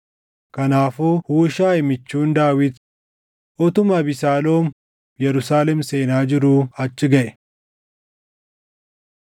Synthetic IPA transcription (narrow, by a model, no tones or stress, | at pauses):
kɐnaːfuːhuːʃaːɪmɪt͡ʃːuːnd̪aːwɪd̪ | ʔɔt̪ʊmɐbɪsaːloːm | jɛɾʊsaːlɛmse̞ːnaːd͡ʒɪɾuːɐt͡ʃːɪɡɐʔɛ̥